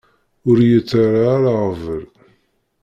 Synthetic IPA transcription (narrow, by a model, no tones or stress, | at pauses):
ʊɾjət͡sːaɾaɾaʁvəl